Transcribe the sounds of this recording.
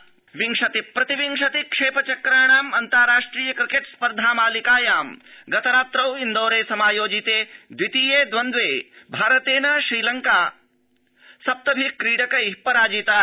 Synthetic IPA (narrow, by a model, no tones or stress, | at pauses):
ʋiŋʂɐt̪ipɾɐt̪iʋiŋʂɐt̪ikʂeːpɐt͡ʃɐkɾɐːɳaːmɐnt̪ɐːɾaːʂʈɾiːjɐkɾikeʈspɐɾd̪ʱaːmaːlikaːjaːmɡɐt̪ɐɾaːt̪ɾɐwind̪oːɾeːsɐmaːjoːd͡ʒit̪eːd̪ʋit̪iːjeːd̪ʋɐnd̪ʋeːbʱaːɾɐt̪eːnɐʃɾiːlɐŋkaː | sɐp̚t̪ɐbʱikɾiːɽɐkɐjpɐɾaːd͡ʒit̪aː